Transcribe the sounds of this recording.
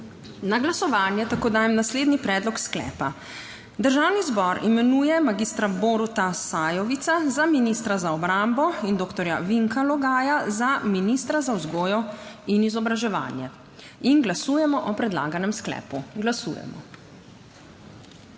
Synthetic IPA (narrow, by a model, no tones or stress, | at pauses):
naɡlasɔʋaːnjɛt̪akoːd̪aːjɛmnasleːd̪nipɾɛːd̪lɔksklɛ̰ːpa | d̪əɾʒawnizbɔɾimɛnuːjɛmaɡist̪ɾaboːɾut̪asaːjɔʋit̪sazaminist̪ɾazaɔbɾambɔind̪oːkt̪ɔɾja̰ʋiŋkalɔɡaːjazaminist̪ɾazawzɡoːjɔinizɔbɾaʒɛʋa̰ːnjɛ | inɡlasuːjɛmɔʔɔpɾɛd̪la̰ːɡanɛmsklɛ̰ːpuɡlasṵːjɛ̰mɔ̰